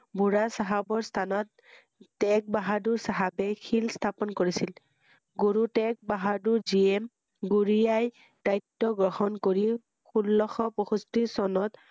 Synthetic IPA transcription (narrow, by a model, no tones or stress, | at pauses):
bʱuɹasaɦabɔɹst̪ʰanɔtː | ɛk̚baɦaduɹsaɦabɛkʰilst̪ʰapɔnkoɹisil | ɡuɹutɛk̚baɦaduɹziɛm | ɡuɹiaj | d̥ajtːɔɡɹɔhɔnkoɹi | xulːɔxɔpɔxustisɔnɔt̪